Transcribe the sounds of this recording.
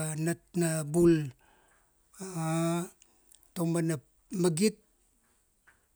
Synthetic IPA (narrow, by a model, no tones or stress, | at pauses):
nat̚nabul | tomana | maɡit̚